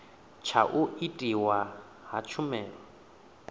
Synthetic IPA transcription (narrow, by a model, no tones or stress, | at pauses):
t͡ʃʰaʔuitʼiwa | ɦat͡ʃʰumɛːɺwa